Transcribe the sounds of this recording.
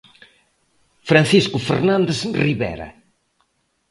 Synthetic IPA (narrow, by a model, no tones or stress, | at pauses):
fɾan̟θiskʊfḛɾnãnd̪esriβɛ̰ɾɐ̰